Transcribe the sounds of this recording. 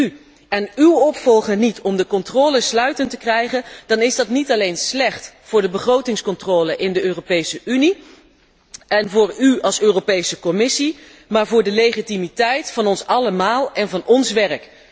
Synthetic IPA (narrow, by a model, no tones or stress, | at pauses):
y | ɛnywɔpfɔlˠχəɹnitɔmdəkɔntrɔːləslœɥtəntəkrɛjχənd̥ɑnɪzdɑtnitɑlejnslɛχtfʊːɹdəbəχrowtɪŋskɔntroːləʔɪndəøːropejsəʔyni | ɛnvʊːɹyɑlˠsøːropejsəkɔmɪsi | maːɹvʊːɹdəlejχitimitɛjtfɑnɔnsɑləmaːlˠɛnvɑnɔnsʋɛrk